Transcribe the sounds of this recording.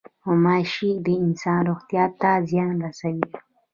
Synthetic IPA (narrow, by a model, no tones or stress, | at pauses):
omɑʃid̪əɪnsɑnɾoxt̪jɑːt̪ːazjɑnɾasawi